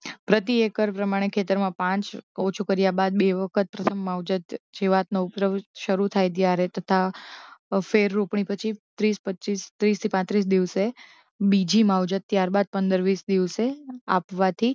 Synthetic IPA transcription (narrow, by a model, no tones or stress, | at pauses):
pɾət̪iekəɾpɾəmaɽ̃ekʰet̪əɾmãpãt͡ʃot͡ʃʰukəɾjabad̪̚beʋəkʰət̪̚pɾət̪ʰəmːaʋd͡ʒət̪d͡ʒeʋat̪noupɾəʋʃəɾut̪ʰajt̪̬jaɾet̪ət̪ʰa | feɾːupɳ̃ipət͡ʃʰit̪ɾispətːt͡ʃist̪ɾist̪ʰipãt̪ɾis̬d̪iʋse | bid͡ʒʱimawd͡ʒət̪ːjaɾbad̪̚pənd̪əɾʋisd̪iʋsea̰pʋat̪ʰi